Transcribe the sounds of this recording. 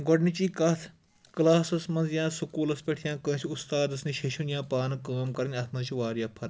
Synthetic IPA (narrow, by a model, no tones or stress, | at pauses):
ɡɔɖnit͡ʃiːkɐt̪ʰ | klaːsɐsmɐnzjãːsukuːlɐspʲeʈʰjãːkə̃ːt͡ʃʰʊst̪aːd̪ɐsniʃeʃunjãːpaːnkaːmkɐɾnʲɐt̪ʰmɐ̃t͡ʃʰiʋaːɾjãːpʰɐɾ